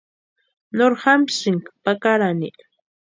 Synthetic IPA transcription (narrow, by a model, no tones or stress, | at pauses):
noɾhɑmsɪŋkpakaɾanɪ